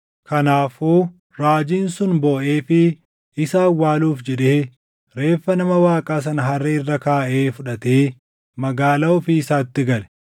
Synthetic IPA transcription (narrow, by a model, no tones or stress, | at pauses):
kʰɐnaːfuː | ɾaːd͡ʒiːnsʊnboːʔe̞ːfɪ | ɪsaːwːaːluːfd͡ʒɛᶑeː | ɾe̞ːfːɐnɐmɐwaːkʼaːs̬ɐnɦɐrːeɪrːɐkaːʔe̞ːfʊᶑɐt̪eː | mɐɡaːlɐʊfɪːsaːt̪ːɪɡɐlɛ̥